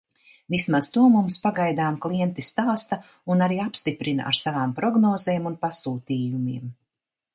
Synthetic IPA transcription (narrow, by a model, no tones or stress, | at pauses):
vismazt̪uɔmumspaɡajd̪aːmklˠiɛnt̪ist̪aːst̪a | unaɾiːapst̪ipɾina̰ʔa̰ɾsavaːmpɾɔɡnɔːzeːmunpasuːt̪iːjumiɛm